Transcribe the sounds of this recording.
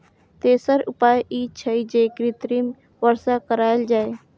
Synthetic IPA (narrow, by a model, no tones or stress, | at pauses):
t̪eːsəɾʊpaːjʔiːt͡ʃʰəid͡ʒeːkɾɪt̪ɾim | ʋəɾsakəɾaːld͡ʒaːeː